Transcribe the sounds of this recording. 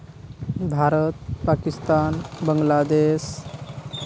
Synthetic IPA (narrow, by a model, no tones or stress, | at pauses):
bʱaɾət̪̚pakist̪anbəŋɡlad̪es